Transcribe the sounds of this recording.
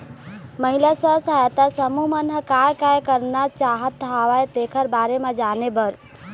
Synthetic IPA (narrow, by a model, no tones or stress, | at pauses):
məɦilasə̃sajt̪asəmumənɦəkajkajkəɾnat͡ʃaɦət̪ːaʋajt̪ekʰəɾbaɾemed͡ʒanebəɾ